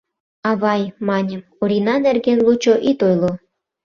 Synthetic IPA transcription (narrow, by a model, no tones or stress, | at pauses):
ɑβɑjmɑnʲə̆m | uɾʲinɑnerɣenlut͡ɕoʔit̪ojlo